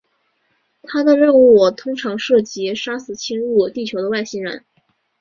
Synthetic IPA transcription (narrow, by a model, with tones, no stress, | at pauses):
t̪ʰa˥d̪ə˨ɻə˥˧nu˥˩˨t̪ʰʊ˥ŋʈ͡ʂʰɑ˧˥ŋʂɤ˥˩t͡ɕi˧˥ʂa˥sɹ̩˨˩t͡ɕʰi˥nɻu˥˩t̪i˥˩t͡ɕʰjo˧˥ʊd̪ə˧wa˥˩ɪɕi˥nɻə̰˧˥n